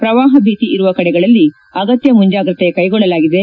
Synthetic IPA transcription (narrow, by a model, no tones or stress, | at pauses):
pɾɐʋaːɦɐbʱiːt̪iʔiɾuʋɐkɐɽɛɡɐɭɐlːi | ɐɡɐt̪jɐmuɲd͡ʒaːɡɾɨt̪ekɐjɡɔɭːɐlaːɡid̪e̞